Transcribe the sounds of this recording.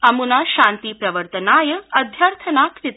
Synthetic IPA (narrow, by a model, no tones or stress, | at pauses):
ɐmunaɕant̪iːpɾɐʋəɾt̪ənaːjəɐd̪ʱjəɾt̪ʰənaːkɾit̪